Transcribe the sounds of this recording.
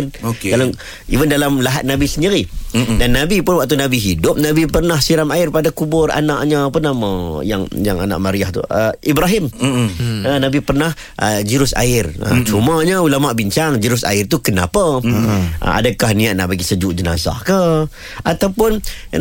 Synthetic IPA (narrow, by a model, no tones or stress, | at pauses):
rala | ḭvəndalamlaɦat̪̚nabisəndiɾidanːabipʊnwak̚t̪̬unabiɦidʊp̚nabipərnahsiɾamaɪrpadakubʊra̰naʔɲəp̬ənaməja̰ŋjaŋa̰na̰ʔmaɾiaht̪ṵəibɾaɦɪm | ənabipərnah | əd͡ʒiɾʊsa̰ɪrə̰t͡ʃuməɲəulamaʔbiɲt͡ʃaŋd͡ʒiɾʊsa̰ɪrt̪ukənapə | ʔa̰dəkahnĩaʔ̪̚naʔbaɡisəd͡ʒuʔd͡ʒəna̰sa̰hkə | ʔat̪awpʊn